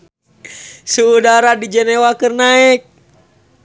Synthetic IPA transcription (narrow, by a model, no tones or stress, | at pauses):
suːdaɾadid͡ʒɛnɛwakɨrnaɪk̚